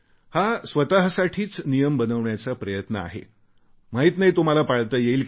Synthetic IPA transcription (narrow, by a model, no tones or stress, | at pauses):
hasʋət̪aɦsaʈʰiːt͡snijəmbənəʋɳjat͡sapɾəjət̪nəa̰ɦḛ | m̤aɦiːt̪naɦit̪um̤alapaɭt̪əjeiːlk